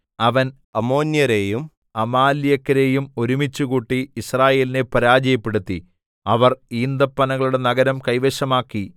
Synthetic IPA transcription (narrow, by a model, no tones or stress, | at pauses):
ɐʋɐn | ɐmo̞ːnjɐɾejum | ɐmaːlijɐkːɐɾe̞ːjumo̞ɾumit͡ɕːuɣuːʈːiːsraːje̞ːline̞pɐɾaːd͡ʑɐjɐpːe̞ɽut̪ːi | ɐʋɐriːnd̪ɐpːɐnɐɣɐɭuɽe̞nɐɡɐɾɐmkɐjʋeɕɐmaːkːi